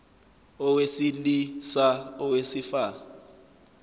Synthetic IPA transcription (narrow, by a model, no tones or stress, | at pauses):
ɔwesilisaɔwesifa